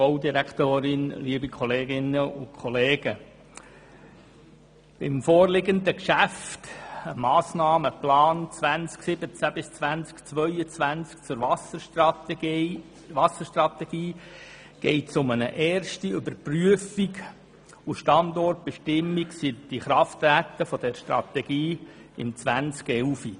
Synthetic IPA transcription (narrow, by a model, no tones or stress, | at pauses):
b̥ɔʊdiɾækt̪oːɾɪnliəbikʰχɔleːɡɪnəʊkʰχɔleːɡə | b̥ɪmfɔːrlɪɡəndəkʃæftəmɑːsnɑːməplɑːnt͡svænt͡sksɪbət͡sæb̥ɪst͡sʋænt͡skt͡sʋœʏət͡sʋænt͡sk̚t͡sʊɾʋɑsə | ʋɑsəʃtrɑt̪ɛɡ̥iː | ɡ̥ɛɪtsʊmənəʔɛːrʃtiʏbəɾpryəfiɡ | uʃtɑnd̪ɔrt̚b̥ɛʃtɪmːiksid̥̪iχɾɑft̪væːt̪ːəfɔd̥̪ɛɾʃtɾɑ̰t̪ɛɡiːɪ̰mt͡sʋænt͡skɛlfi